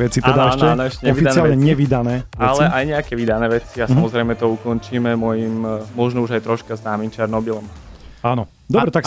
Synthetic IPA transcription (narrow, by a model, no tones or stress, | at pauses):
ʋɛt͡sit̪ɛd̪aɛʃnɛnɛʃɛɲɔifit͡sɪallɲɛɲɛʋid̪anɛːalɛʔajɲɛakɛʋid̪anɛːʋɛt͡siasamɔzɾɛjmɛt̪ɔukɔnt͡ʃiːmɛmɔjimmɔʒnɔuʒajt̪ɾɔʃkaznaːmimt͡ʃɛɾnɔbilɔmaːnɔ | d̪ɔbɾɛt̪aks